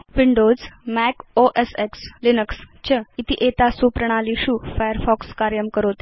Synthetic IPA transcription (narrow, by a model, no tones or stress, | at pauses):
ʋiɳɖod͡zmækoʔesekslinəks | t͡ɕəit̪iʔet̪asupɾəɳ̃aliɕuːfajəɾfɔkskaɾjəmkəɾot̪